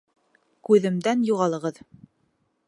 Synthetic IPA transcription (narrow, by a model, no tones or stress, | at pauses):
kʉðɘ̆md̪ænjuʁɑlˠɤ̆ʁɤð